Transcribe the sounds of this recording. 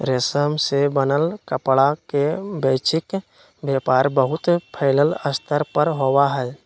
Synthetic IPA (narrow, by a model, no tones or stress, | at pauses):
ɾesəmsebənəlkəpɭakebeːt͡ʃɪk | bjeːpaːɾbəɦʊt̪pʰəɪlələst̪ʰəɾpəɾɦowaɦɛː